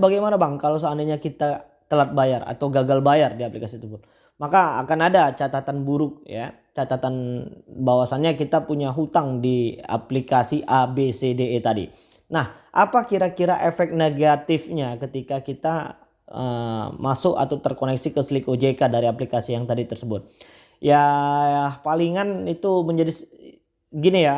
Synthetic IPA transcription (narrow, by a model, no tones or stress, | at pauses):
səbaɡajmanabaŋkalas̬aandaɲakit̪a | t̪əlat̪̚bajara̰t̪awɡaɡalbajardiaplikasit̪ufʊt̪̚ | makaa̰kanadat͡ʃat̪at̪anbuɾʊk̚ja̰ | t͡ʃat̪at̪anbawasanɲakit̪apuɲaɦut̪aŋdia̰plikasiʔabesedeːt̪adḭ | nahʔapakiɾakiɾaʔefɛk̚neɡat̪ɪfɲakət̪ikakit̪a | əmasʊka̰t̪awt̪ərkonɛksikəslikod͡ʒekadaɾiaplikasijaŋt̪adit̪ərsəbʊt̪̚ | ja | hpaliŋanit̪uməɲd͡ʒadis | ɡinija